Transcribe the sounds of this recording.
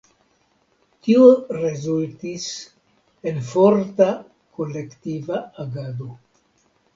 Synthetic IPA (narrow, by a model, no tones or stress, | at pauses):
tioɾezultis | e̞nfo̞ɾta | ko̞le̞ktivaaɡado̞